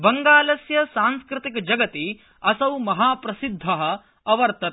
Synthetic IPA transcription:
bɐŋɡaːlɐsjɐsaːnskɾɪt̪ikd͡ʒɐɡɐt̪i | ɐsɐwmɐɦaːpɾɐsid̪ʱːɐɦɐ̆ | ɐʋɐɾt̪ɐt̪

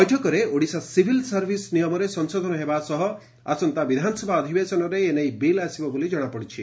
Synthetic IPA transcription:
ɔjʈʰɔkɔɾeoɽisasibʱilsaɾbʱisnijɔmɔɾesɔnsod̪ʱɔnɔɦebasɔɦɔ | a̰sɔnt̪abid̪ʱanɔsɔbʱaːd̪ʱibesɔnɔɾeːnejbelasibɔbolid͡ʒɔɽ̃apɔɽit͡ʃʰi

